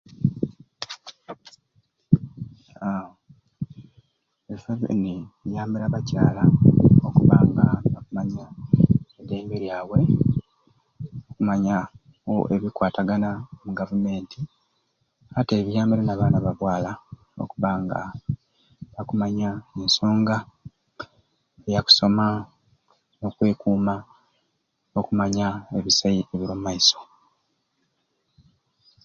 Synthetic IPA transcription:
a | efaβḭniβjaːmiɾaβacaːlaokuβaːŋɡaβakumaɲa | ede̞ːmbeɾjaːwe̞ | okumaɲa | woʔeβikwaːtaɡanamuɡavume̞ːntʰi | ate̞ːβijaːmbiɾenaβaːnaβaβwaːla | o̞̰kuβaŋɡa̰ | βakumaɲaenso̞ːŋɡa | ejaku̥so̞ma | no̞kwe̞ːkuːma | okumaɲae̞βisaieβiɾomumaiso̞̥

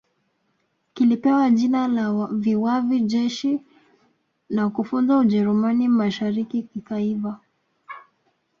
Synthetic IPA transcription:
kilipɛwaʄinalaviwaviʄɛʃi | nakufunzauʄɛɾumanimaʃaɾikikikaiva

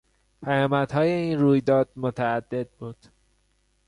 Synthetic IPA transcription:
pʰæjɒːmæd̪̥hɒːje̞iːnruːjd̪ɒːd̪̥̚mot̪ʰææd̪ːe̞d̪̚bud̪̥

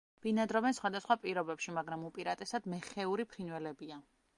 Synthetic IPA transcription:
b̥inad̪ɾɔvɛnsχwad̪asχwapʼiɾɔbɛpʃimaɡɾamupʼiɾat̪ʼɛsad̪mɛχɛuɾipʰɾinwɛlɛbia

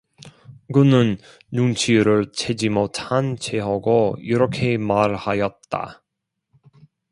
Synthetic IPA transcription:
kɯnɯnː | uŋt͡ɕʰiɾɯɭt͡ɕʰe̞d͡ʑimotʰant͡ɕʰeɦaɡoiɾʌkʰe̞maɾhajʌt̚t͈a̰

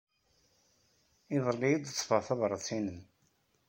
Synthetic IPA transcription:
iðˤəlːijəd̪ˤt͡sːfəʁθɑvɾˤəsinən

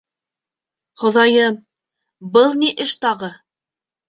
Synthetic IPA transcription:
χŏðɑjɤm | bɤlˠniʔɘʃt̪ɑʁɤ

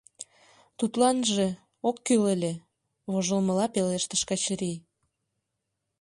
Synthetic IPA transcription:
t̪ut̪lɑnʒe | okːylelʲe | βoʒəlmə̆lɑpeleʃt̪əʃkɑt͡ɕəɾi

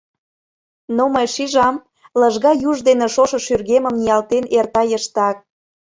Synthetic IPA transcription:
noməjʃiʒɑm | ləʒɣɑjuʒd̪eneʃoʃɤ̆ʃyrɣemə̆mnijɑlt̪enert̪ɑjəʃt̪ɑk̚

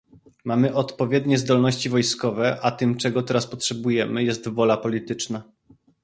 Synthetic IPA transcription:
mamɘʔɔt̪pɔvʲjɛd̪ɲɛzd̪ɔlnɔɕt͡ɕivɔjskɔvɛʔat̪ɘmt͡ʂɛɡɔt̪ɛɾaspɔtʂɛbujɛmɘjɛst̪vɔlapɔlʲit̪ɘt͡ʂna

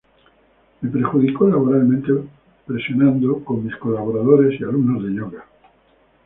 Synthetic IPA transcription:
me̞peɾxuðikolaβoɾalmẽnt̪e | pɾe̞sjonãnd̪oko̞ŋmisko̞laβ̞oɾaðoɾe̞sialumno̞zðe̞ʎoɣa

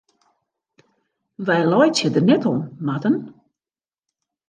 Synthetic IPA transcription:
ʋɛjlɔjtjədərnɛtɔnmatən

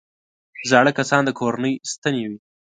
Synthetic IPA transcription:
ʒɑɽəkasɑnd̪əkʰoɾanəjst̪anewi

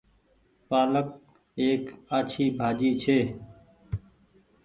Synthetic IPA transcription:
paːlək̚ | eːkaːt͡ʃʰiːbʱaːd͡ʒiːt͡ʃʰeː

